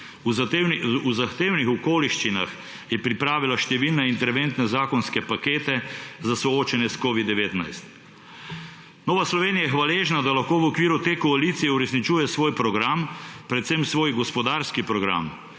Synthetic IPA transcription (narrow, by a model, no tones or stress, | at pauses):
nuzaxt̪eːwnixɔkoːliʃt͡ʃina̰x | jɛpɾipɾaːʋilaʃt̪ɛʋilnɛint̪ɛɾʋent̪nɛzaːkɔnskɛpakeːt̪ɛzasɔoːt͡ʃɛnjɛskoːʋid̪ːɛʋeːt̪na̰jst̪ | noːʋaslɔʋeːnijajɛxʋaleːʒnad̪alaxkoːʋɔkʋiːɾut̪eːkɔalit̪sijɛuɾɛsnit͡ʃuːjɛsʋoːjpɾɔɡɾampɾɛt̪semsʋoːjɡɔspɔd̪aːɾskipɾɔɡɾa̰m